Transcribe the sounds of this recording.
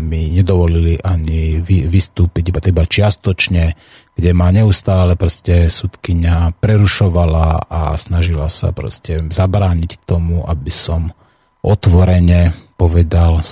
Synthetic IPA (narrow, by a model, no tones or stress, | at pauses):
miɲɛd̪ɔʋɔliliʔaɲiʋiʋist̪uːpiɟibat̪ɛbat͡ʃɪast̪ɔt͡ʃɲɛ | ɡ̥ɟɛmaɲɛust̪aːlɛpɾɔscɛsut̪kiɲapɾɛɾuʃɔʋalaa̰snaʒilasa̰pɾɔ̰scɛzabɾaːɲick̚t̪ɔmuʔabisɔm | ʔɔt̪ʋɔɾɛɲɛpɔʋɛd̪al